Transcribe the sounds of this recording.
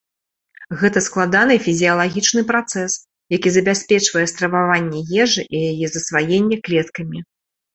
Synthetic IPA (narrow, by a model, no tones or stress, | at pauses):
ɣɛt̪ɐsklˠad̪anɨfʲizʲijɐlˠaɣʲit͡ʂnɨpɾat̪sɛs | jakʲizɐbʲasʲpʲɛt͡ʂvɐjɛst̪ɾɐvavanʲːɛjɛʐɨʔijajɛzɐsvajenʲːɛklʲɛt̪kɐmʲi